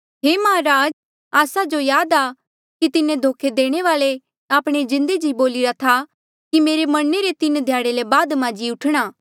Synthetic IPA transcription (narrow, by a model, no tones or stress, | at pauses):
ɦeːmaɦãɾaːd͡ʒ | aːsad͡ʒojaːd̪aː | kit̪ɪnẽd̪ʱoːkʰed̪eːɽ̃eʋaːle | aːpɽ̃ed͡ʒɪ̃nd̪ed͡ʒiboːlɪɾat̪ʰa | kimeːɾemɐɽneɾet̪ɪnd̪ʱjaːɽelebaːd̪mãːd͡ʒiʊʈʰɽ̃aː